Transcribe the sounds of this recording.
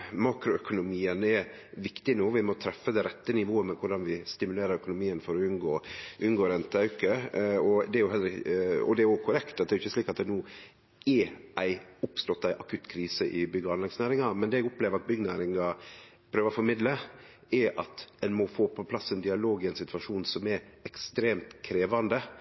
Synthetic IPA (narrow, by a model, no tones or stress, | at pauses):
mɑːkɾʊœkʊnʊmiːənɛɾʋɪkt̪ɪnoːʋɪmɔt̪ʰɾɛfːəd̪ɛɾɛt̪ːənɪʋoːəmɛkʰʊɖɑnʋɪst̪ɪmʉleːɾəɾœkʊnʊmiːənfɔɾɔʉnɡoːʔʉnɡoːɾɛnt̪əɑʉkəɔd̪ɛæɾjʊɛləɾɪɔ̰d̪ɛæɾjʊkʰʊɾɛkt̪ɑt̪d̪ɛɾʊʏçːəsliːkɑt̪̚d̪ɛnuː | ɛɾʔæɪʊpst̪ɔt̪ːæʔɑkʰʉt̪kʰɾiːsəʔɪbʏɡəɑnlɛɡsnæːɾɪŋɑmɛnd̪eːɛɡʊpleːʋəɾɑt̪̚bʏɡənæːɾɪŋɑpʰɾøːʋəɔfɔɾmɪd̪lə | ɛɾʔɑt̪ɛnmɔfoːpʰɔpʰlɑsːɛnd̪ɪɑloːɡɪæɪnsɪt̪ʉɑʂuːnsɔmɛɾɛkst̪ɾeːmt̪kʰɾeːʋɑnd̪ə